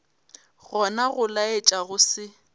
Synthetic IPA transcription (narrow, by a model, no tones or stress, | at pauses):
ɣɔnaɣʊlaet͡ʃʼaɣʊsɪ